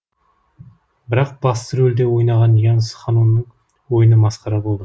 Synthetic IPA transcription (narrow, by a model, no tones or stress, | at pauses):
bɪɾɑq̚b̥ɑst̪əɾɵld̪ewo̞jnɑʁɑnjɑɴəsə̥χɑnunːəɴ | wo̞jənəmɑsqɑɾɑbo̞lˠd̪ə